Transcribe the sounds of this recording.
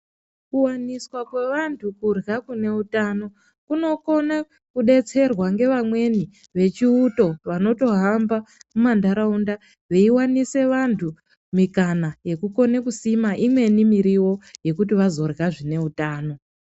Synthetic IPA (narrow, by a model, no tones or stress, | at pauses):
kuwaniswakwe̞ʋantʰukurɣakune̞utano̞ | kuno̞ko̞na | kuɗe̞t͡se̞rwaŋɡe̞ʋamwe̞ni | ʋe̞t͡ʃiuto̞ʋano̞to̞ɦambamumandaɾaunda | ʋe̞iwanise̞ʋantʰu | mikanaje̞kuko̞ne̞kusimaʔimwe̞nimiɾiwo̞je̞kut̬iʋazo̞rɣaʐine̞utaːno̞